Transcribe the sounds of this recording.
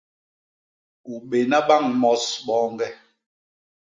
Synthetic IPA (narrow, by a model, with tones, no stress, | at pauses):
u˨ɓe˨na˦ɓa˦˨ŋmɔ˦sɓɔː˦ŋɡɛ˦